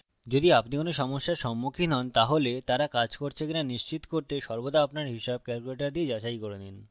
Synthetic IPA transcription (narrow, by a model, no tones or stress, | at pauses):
d͡ʑod̪iapnikonoʃɔmoʃːaɾʃɔmːukʰinɔnt̪aɦolet̪aɾakad͡ʑkoɾt͡ɕʰekinaniʃt͡ɕit̪koɾt̪eʃɔɾbod̪aapnaɾɦiʃab̚kɛlkuleʈaɾd̪ied͡ʑaʃajkoɾenin